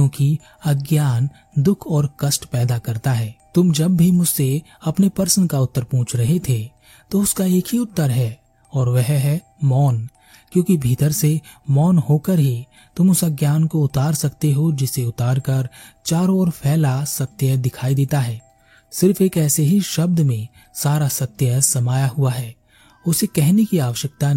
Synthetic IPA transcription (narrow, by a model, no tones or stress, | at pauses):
õːki | ɐɡjaːn | d̪ʊkʰɔːɾkɐsʈpɛːd̪akɐɾt̪aɦɛːt̪ʊmd͡ʒɐbːʱimʊd͡ʒse | ɐpnepɐɾsənkaʊt̪ːəɾpũːt͡ʃʰɾɐɦet̪ʰe | t̪oʊskaeːkʰɦiʊt̪ːəɾɦɛː | ɔːɾʋɛɦɦɛ | mɔːn | kjõːkibʱiːt̪əɾsemɔːnɦoːkəɾɦi | t̪ʊmʊsaɡjaːnkoʊt̪aːɾsɐkt̪eɦod͡ʒɪseʊt̪aːɾkɐɾt͡ʃaːɾɔːɾpʰɛːlasɐt̪jəd̪ɪkʰaːid̪eːt̪aɦɛː | sɪɾfeːkɛːseɦiʃɐb̚d̪mẽ | saːɾasɐt̪ːjəsɐmaːjaɦuaɦɛː | ʊsekɛɦnekiaːʋəʃjək̚t̪an